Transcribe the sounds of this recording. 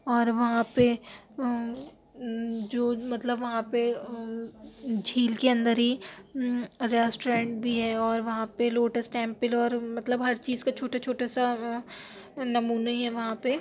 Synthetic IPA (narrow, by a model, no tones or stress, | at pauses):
ɔːɾʋɐɦãpe | d͡ʒoːmɐt̪ləbʋɐɦãpe | d͡ʒʱiːlkeɐ̃nd̪əɾɦi | ɾɛːsʈoɾẽːɳʈbʱiɦɛɔːɾʋɐɦãpeloːʈəsʈɛ̃ːmpɪlɔːɾmɐt̪ləbɦɐɾt͡ʃiːzkat͡ʃʰoːʈat͡ʃʰoːʈasa | nɐmuːnaɦiɦɛʋɐɦãpe